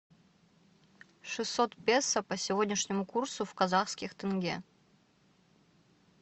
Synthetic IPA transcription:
ʂɨsːot̪pʲesəpəsʲɪvodʲnʲɪʂnʲɪmʊkursʊfkɐzaxskʲɪxt̪ɨnɡʲḛ

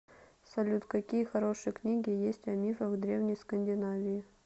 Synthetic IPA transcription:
sɐlʲut̪kɐkʲijəxɐɾo̞ʂɨjəknʲiɡʲɪjesʲtʲɐmʲifəɣd̪ɾʲevnʲɪjskənʲdʲɪnavʲɪjɪ

